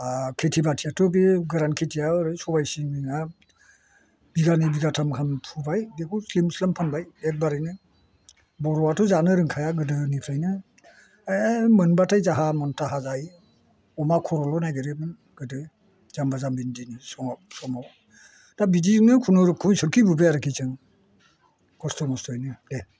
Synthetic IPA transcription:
akʰetʰibatʰijatʰɔbiɡaɾankʰetʰijaɾɯsɔbajsiiŋa | b̥iɡanibiɡatʰamkʰampʰubajbekʰuslimslampʰanbajek̚baɾɯjnɯ | bɔɾɔwatʰɔzanɯɾɯŋkʰajaɡɯdɯnipʰɾajnɯ | mɯnbatʰajzaɦamɔntʰaɦazaj | ɔmakʰɔɾɔlɔnajɡɯɾebɯn | ɡ̥ɯdɯ | z̥ambazambindinisɔŋsɔmaw | d̥abidiŋnɯkʰunɔɾɯkʰːunsɯɾkʰibɯbejaɾɯkʰit͡ʃʰɯŋ | kɔstɔmɔstʰɔjnɯde

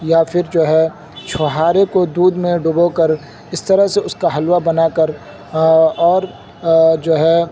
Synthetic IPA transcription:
japʰɪɾd͡ʒoːɦɛ | t͡ʃʰoɦaːɾekod̪uːd̪mẽɖʊbokəɾ | ɪst̪ɐɾəɦseʊskaɦɐlwabɐnaːkəɾ | ɔːɾ | d͡ʒoːɦɛ

